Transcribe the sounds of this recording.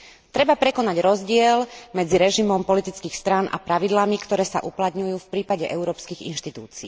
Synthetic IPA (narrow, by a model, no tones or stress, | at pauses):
t̪ɾɛbapɾɛkɔnaɟɾɔzɟɪɛlmɛd͡ziɾɛʒimɔmpɔlit̪it͡skiːxst̪ɾanʔa̰pɾaʋid̪lamikt̪ɔɾɛːsa̰ʔuplat̪ɲujuːfpɾiːpaɟɛʔɛʊɾɔːpskiɣḭnʃt̪it̪ṵːt͡sḭː